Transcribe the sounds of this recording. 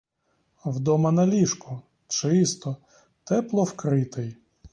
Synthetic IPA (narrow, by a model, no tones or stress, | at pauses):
wd̪ɔmɐnɐlʲiʃkʊ | t͡ʃɪst̪ɔ | t̪ɛplˠɔwkɾɪt̪ɪj